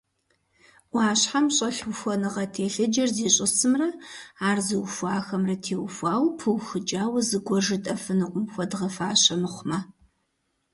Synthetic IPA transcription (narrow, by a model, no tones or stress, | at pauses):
ʔʷaːɕħamɕʼɐɬxʷɔnɨʁɐtʰeːɬɨd͡ʒɐrzeːɕʼɪsɨmrɐaːrzɨwfʷɑːxɐmrɐtʰeːwfʷaːwpʰɨwxɨd͡ʒʼaːwɐzɨɡʷɔʐɨtʼɐfɨnɨqʷʼʊmxʷɔdʁɐfaːɕɐmɨχʷmɐ